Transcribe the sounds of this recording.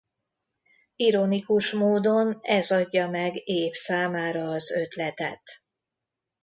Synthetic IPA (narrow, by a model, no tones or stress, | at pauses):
iɾo̞nikuʃmoːd̪onɛzɒɟːɒmɛɡeːfsaːmaːɾɒːzø̞t̪lɛt̪ɛ̰t̪